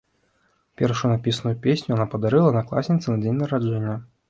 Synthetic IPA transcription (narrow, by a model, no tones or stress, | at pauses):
pʲɛrʂujunapʲisɐnujupʲesʲnʲujanapɐd̪aɾɛlˠɐnɐklˠa̰sʲnʲit̪sɨnɐd͡zʲenʲnɐɾad͡ʐɛnʲːɐ